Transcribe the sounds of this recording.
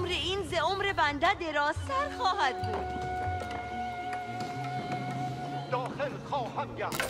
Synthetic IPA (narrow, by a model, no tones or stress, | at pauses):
mɾeiːnzeomɾebænd̪æd̪eɾɒːzsæɾxɒːɦæd̪̚buːd̪̥ | d̪̥ɒːxelxɒːhæmɡæ